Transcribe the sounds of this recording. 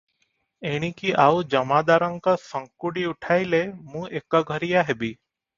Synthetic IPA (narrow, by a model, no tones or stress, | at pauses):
eɽ̃ĩkiʔaud͡ʒəmaːd̪aːɾəŋkasəŋkuɽiʊʈʰaːilemũːʔeːkaɡʱəɾijaɦebiː